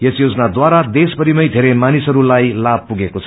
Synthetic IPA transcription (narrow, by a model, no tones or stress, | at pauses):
jesjod͡zʌnad̪waɾad̪esbʌɾimʌjd̪ʱeɾemanisɦʌɾulajlab̚puɡekot͡sʰʌ